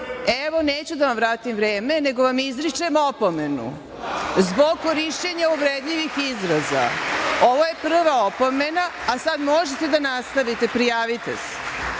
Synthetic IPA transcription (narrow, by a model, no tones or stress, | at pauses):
eʋo̞neːt͡ɕud̪aʋamʋɾaːt̪imʋɾeːme̞ne̞ɡoʋamizɾit͡ʂemopome̞nṵ | zbo̞ɡ̚koɾiʃt͡ɕeɲaubɾed̪ʎiʋixizɾaza̰o̞ʋoje̞pr̩ʋaopo̞me̞na | asad̪mo̞ʒet̪e̞d̪anast̪aʋit̪e̞pɾijaːʋit̪ese̥